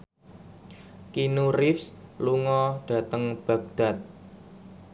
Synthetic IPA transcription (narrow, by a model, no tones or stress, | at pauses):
kinurɪfsluŋɔɖ̥a̤t̪əŋb̥ä̤ɡ̚d̪̥a̤t̪̚